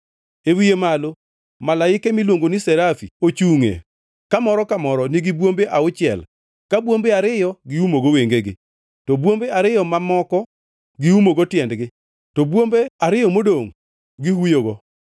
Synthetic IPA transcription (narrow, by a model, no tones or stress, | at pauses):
ewijemalo | malaɪkemilwoŋɡonɪsɛɾafḭot͡ʃuŋḛ | kamɔɾɔkamɔɾɔnɪɡɪbwombeʔaʊt͡ʃɪɛ̰l | kabwombeaɾɪjɔɡɪumoɡɔweŋɡeɡɪ | tɔbwombeaɾɪjɔmamɔkɔ | ɡɪumoɡɔtjɛndɡɪ | tɔbwombeaɾɪjɔmodoŋ | ɡɪhujoɡɔ